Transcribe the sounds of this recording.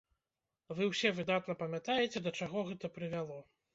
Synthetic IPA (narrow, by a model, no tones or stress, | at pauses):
vɨwsʲɛvɨd̪at̪nɐpɐmʲat̪ajɛt͡sʲɛd̪ɐt͡ʂaɣɔɣɛt̪ɐpɾɨvʲalˠɔ